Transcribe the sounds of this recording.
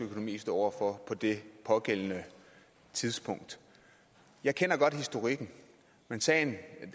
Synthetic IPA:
ɡ̥əøkʰo̝no̝mḭːsd̥ɒɒ̰ʊ̰ɐfɒ̽pʰɒ̽d̥e̝pʰɒ̽ɡ̥el̰ənə | t͡sʰið̞ˠsb̥ʰɔ̽ŋ̰d̥ | jɑ̈ɪkʰenɐɡ̥ɒ̽d̥hisd̥o̝ʁiɡ̥n̩ | mensɛ̰ɪn

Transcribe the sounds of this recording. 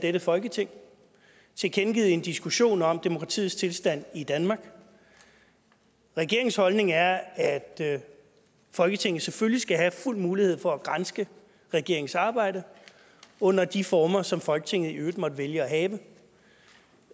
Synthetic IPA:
d̥eɾ̥əfɒ̽lɡ̥ət͡sʰe̝ŋ̰ | t͡sʰe̝kʰenɡ̥ið̩ˠe̝nd̥isɡ̥uɕo̝̰ːnɒ̽md̥e̝mo̝kʰʁɑ̈t͡sʰḭð̩ˠst͡sʰe̝lsd̥æn̰id̥ænmɑ̈ːɡ̥ | ʁɛɡ̥e̝ɐe̝ŋshɒ̽lne̝ŋæɐæd̥ | fɒ̽lɡ̥ət͡sʰe̝ŋ̰ð̩ˠsefølisɡ̥æɦæful̰muːlihe̝ð̞̰ˠfɒ̽æɡ̥ʁɑnsɡ̥ə | ʁɛɡ̥e̝ɐ̰e̝ŋ̩sɑ̈ːb̥ɑ̈ɪ̰d̥ə | ɔ̽n̰ɐd̥ifɒːmɐsɒ̽mfɒ̽lɡ̥ə̥t͡sʰe̝ŋ̰ð̩ˠiøːd̥mɒ̽d̥əʋeljəæɦɛːʋə

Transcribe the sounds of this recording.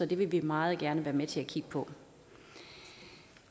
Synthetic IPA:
sɒ̽d̥e̝ʋe̝ʋimɑ̈ːð̞̩ˠɡ̥æɐnəʋæːɐmet͡sʰe̝ækʰiɡ̥̚pʰɒ̽

